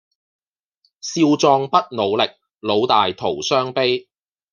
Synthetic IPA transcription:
siː˧wt͡sɔː˧ŋpɐ˥t̚no˨˧wlɪ˨k̚ | lo˨˧wt̪aː˨jt̪ʰo˨˩wsœː˥ŋpe˥j

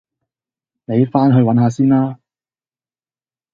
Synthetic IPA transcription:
ne˨˧jfaː˥nɦɵ˧ɥwɐ˨˥nɦaː˨˧siː˥naː˥

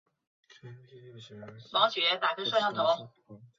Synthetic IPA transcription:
pɑ˧˥ɕɥɛ˧˥t̪a˨˩kʰɤ˥ʂwɑ˥˧jɑ˥˩ŋt̪ʰo˧˥˦

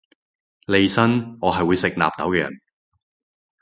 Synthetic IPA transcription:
le˨˧jsɐ˥nŋɔː˨˧ɦɐ˨jwu˨˧jsɪ˨k̚na̰ː˨p̚t̪ɐ˨˥wkɛː˧jɐ̰˨˩n

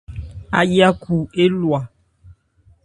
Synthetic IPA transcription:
a˨ja˦kʰu˨e˦lwa˨

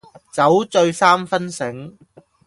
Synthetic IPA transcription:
t͡sɐ˨˥wt͡sɵ˧ɥsaː˥mfɐ˥nsɪ˨˥ŋ

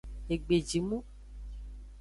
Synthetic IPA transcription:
e˨ɡ͡be˨d͡ʒi˨mũ˦

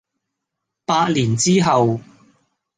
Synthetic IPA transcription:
paː˧t̚liː˨˩nt͡siː˥ɦɐ˨w

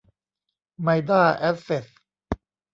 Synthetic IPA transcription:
ma˧jd̪aː˥˩ʔɛ˦˥fe˨˩s

